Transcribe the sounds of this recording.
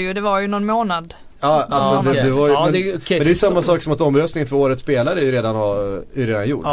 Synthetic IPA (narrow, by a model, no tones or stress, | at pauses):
jd̪ɛvaɾjɵnɔnmoːnad̪ | ɑːalsɔd̪ɛd̪ɛvajɛɛd̪ɛjʏsamːasɑːksɔmat̪ɔmːɾœst̪nɪŋənfœɾoːɾət̪speːlaɾəæjʉɾeːd̪anhaɛɾeːd̪anjṵː